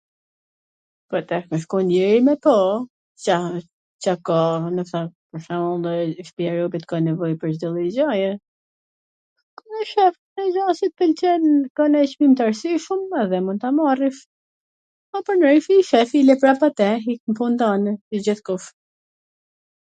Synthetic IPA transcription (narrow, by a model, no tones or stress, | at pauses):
pat̪ɛhmɛʃkɔnɛɾimɛpɔ | t͡ɕa | t͡ɕakanəfsapəɾʃamɔlɛʃpiɛɾɔbit̪kanɛvɔjpəɾzd̪ilˠizajɛ | kɔnɛʃɛf | nɛzasit̪̚pɛlt͡ʃɛnkɔnɛt͡ʃmimt̪aɾsiʃumɛðɛmunt̪amarif | apɔɾnɾifiʃɛfilɛpɾapat̪ɛɦikmfund̪anid͡ʑiθkuf